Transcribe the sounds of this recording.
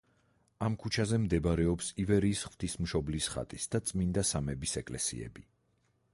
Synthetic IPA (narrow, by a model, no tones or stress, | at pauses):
amkʰut͡ʃʰazɛmd̪ɛbaɾɛɔpsivɛɾiːsχv̥t̪ʰismʃɔblisχa̰t̪ʼisd̪at̪sʼmind̪asamɛbisɛkʼlɛsḭɛ̰bi